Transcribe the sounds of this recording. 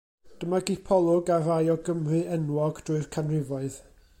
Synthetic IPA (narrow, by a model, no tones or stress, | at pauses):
d̥əmaɡipʰɔlˠʊɡaɾajɔɡəmrɨɛnwɔɡd̥rʊɨrkʰanrɪvɔɨð